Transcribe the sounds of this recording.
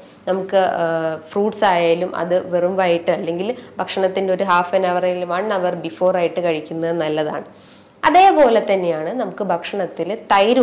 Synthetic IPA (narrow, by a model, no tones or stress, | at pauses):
nɐmukːɨfruːʈsaːjaːlumʔɐ̰ðɨʋerumʋaːjiʈːɨɐlːe̞ŋɡilbʱɐkʂɐɳɐt̪ːinde̞o̞ɾuɦaːfɐnɐʋɐralumɐɳːɐʋɐrbifo̞ːraːjiʈːɨkɐɻikʲːunːɐðɨnɐlːɐða̰ːɳɨ | ɐðe̞ːpo̞ːle̞t̪ːɐnːejaːɳɨnɐmukːɨbʱɐkʂɐɳɐt̪ːilt̪ɐjɾu